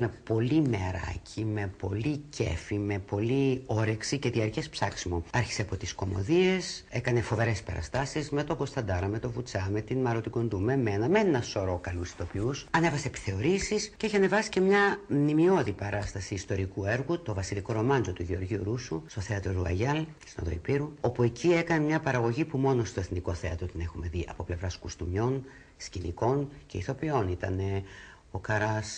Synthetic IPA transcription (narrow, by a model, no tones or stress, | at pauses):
mepo̞limeɾɐ̰cʰime̞po̞lice̞̰fime̞po̞lio̞ɾeksice̞ðiɐɾcespsɐksimoɐɾçi̥seɐpo̞t̪isko̞mo̞̰ðie̞se̞kɐne̞fo̞ve̞ɾe̞spe̞̰ɾɐ̰st̪ɐsizme̞t̪o̞ɡo̞st̪ɐd̪ɐɾɐme̞t̪o̞vut͡sɐmet̪inmɐɾo̞t̪iɡond̪umeme̞nɐmennɐso̞ɾo̞kɐlusi̥t̪o̞piusɐne̞vɐseːpi̥θe̞o̞ɾisisce̞içiɐne̞vɐsi̥ce̞mɲɐnimio̞ðipɐɾɐst̪ɐsiːst̪o̞ɾikue̞ɾɣut̪o̞vɐsiliko̞ɾo̞mɐnzo̞t̪uʝeo̞ɾʝiuɾusust̪o̞θe̞ɐt̪ɾoɾuɐ̰ʝɐl | sino̰ðo̞̰ḭpiɾuo̞pue̞cʰie̞kɐnemɲɐpɐɾɐɣo̞ʝipumo̞no̞st̪o̞eθniko̞θe̞ɐt̪ɾot̪ine̞xume̞ðiʔɐ̰po̞ple̞vɾɐskust̪umɲo̞n | scinḭko̞nce̞iθo̞pio̞nit̪ɐ̰ne̞ | o̞kɐɾɐs